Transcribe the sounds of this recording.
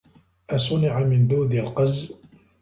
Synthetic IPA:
ʔasˤʊnɪʕamɪnd̪uːd̪alqɑz

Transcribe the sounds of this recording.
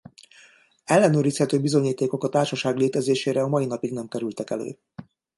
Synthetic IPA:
ɛlːɛnøːɾishɛt̪øːbizo̞ɲiːt̪eːko̞kɒt̪aːrʃɒʃaːɡleːt̪ɛzeːʃeːɾɛɒmɒjinɒpiɡnɛmkɛɾylt̪ɛkɛlø̰ː

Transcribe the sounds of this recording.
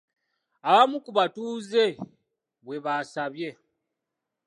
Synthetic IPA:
aβamukuβatuːze̞ | βwe̞βasaβje̞

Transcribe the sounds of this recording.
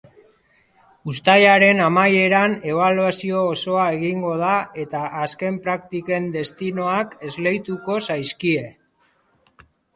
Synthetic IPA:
ust̪ajaɾe̞namaje̞ɾane̞β̞aluasio̞ːso̞ae̞ɣiŋɡo̞ð̞ae̞t̪aːske̞mpɾakt̪ike̞nd̪e̞st̪ino̞ake̞zle̞jt̪uko̞sajskie̞

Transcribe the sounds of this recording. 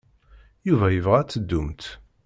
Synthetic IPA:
juvæjəvʁæt͡sːəd̪ːumt̪

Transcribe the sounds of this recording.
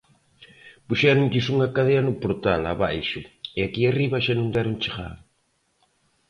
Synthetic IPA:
puʃɛɾʊŋʎɪsuŋɐkaðeɐnʊpoɾt̪ala̰βajʃʊeakiariβɐʃanõnd̪ɛɾʊŋt͡ʃeɣa̰ð

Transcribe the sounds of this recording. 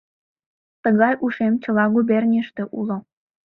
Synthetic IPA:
t̪əɣɑjʔuʃemt͡ɕə̆lɑɣuβernʲiʃt̪e̽ʔulo

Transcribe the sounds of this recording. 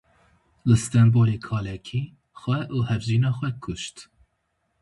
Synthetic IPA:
lɨst̪ɛnboːlekʰɑːlɛkʰiː | xwɛʔuːhɛvʒiːnɑːxʷwɛkʰʊʃt̪

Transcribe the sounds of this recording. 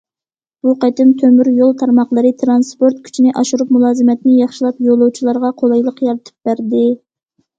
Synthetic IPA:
b̥uqɑt̪ɪnt̪ʰømyɾjolˠt̪ʰɑɾmɑχlˠəɾɨt̪ʰɾɑnspoɾt̪̚kʲʰy̥t͡ʃʰinɪʔɑʃuɾup̚mulˠɑːzɨmɛt̪nɪjɑχʃilˠɑpjolˠːuwt͡ʃʰilˠɑɾʁɑqʰolˠɑjlˠəqjɑɾɨt̪ʰɨ̥p̚bæɾd̪ɪ

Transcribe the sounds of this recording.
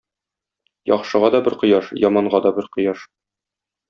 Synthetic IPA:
jɒ̰χʃɤ̆ʁɑd̪ɒbɘɾqɤ̆jɑʃjɒmɑɴɢɑd̪ɒbɘɾqɤ̆jɑʃ

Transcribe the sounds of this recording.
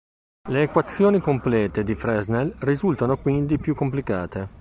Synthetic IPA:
leːkwat̪sːjoːnikomplɛːt̪ed̪ifɾɛznelrizult̪anokwind̪ipjukːomplikaːt̪e

